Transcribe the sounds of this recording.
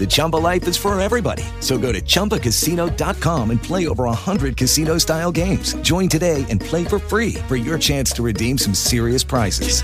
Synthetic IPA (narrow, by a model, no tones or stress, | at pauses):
ðɨt͡ʃʰʌ̃mpəlaɪfɨz̥fə˞ɛvɹibɑ̰ɾḭ | soʊɡoʊɾɨt͡ʃʰʌ̃mpəkɨsinoʊdɑt̚kʰɑ̃mɨ̃npʰl̥eɪoʊvə˞əhʌ̃ndɹɨd̚kʰɨsinoʊstaɪlˠɡẽɪ̃mz̥d͡ʒɔ̃ɪ̃ntɨdeɪʔɨ̃npʰl̥eɪfə˞fɹifə˞jə˞t͡ʃʰæ̃nstʰɨɹɨdĩmsʌ̃msɪɹiɨspʰɹ̥aɪsɨ̰z̥